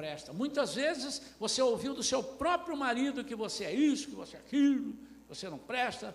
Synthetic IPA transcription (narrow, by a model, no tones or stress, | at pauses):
pɾɛst̪ɐmũj̃t̪ɐzvezɪsvoseowviwd̪ʊsewpɾɔpɾjʊmaɾid̪ʊkɪvoseɛisʊ̥kɪvo̰seɛkilʊ | vosenɐ̃w̃pɾɛst̪ɐ